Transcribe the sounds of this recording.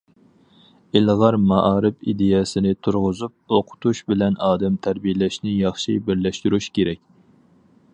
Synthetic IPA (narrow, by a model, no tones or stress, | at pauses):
ɪlʁɑɾmɑʔɑːɾɪpid̪ejɛsɪnɪt̪ʰuɾʁʊzup̚oqʰʊ̥t̪ʰuʃbɪlɛnʔɑːd̪ɛmt̪ʰæɾbijɛlɛʃnɪjɑχʃibɪɾlɛʃt̪yɾuʃkʲeɾɛkʲ